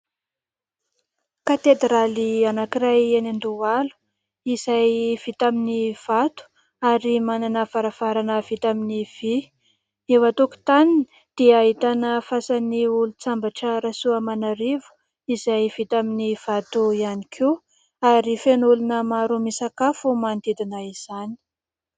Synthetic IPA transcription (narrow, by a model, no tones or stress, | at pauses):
kat̪ed̪ralianakirajenand̪ualu̥ | izajv̥it̪aminiv̥at̪u̥ | aɾimananəfaɾavaɾanəv̥it̪aminiv̥i | ewat̪uku̥t̪anin | d̪̥eaɦit̪anəfasaniulut͡sambaʈ͡ʂəɾasuəmanaɾevu̥ | izajvit̪aminiv̥at̪uianikʰe | aɾifenulunəmaɾumisakafumand̪ed̪inaiz̥ani̥